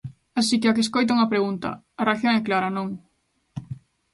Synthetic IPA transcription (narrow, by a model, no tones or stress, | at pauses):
asikɪakeskojt̪̬auŋɐpɾeɣunt̪ɐ̰ | ɐraθjoŋɛklaɾɐnõŋ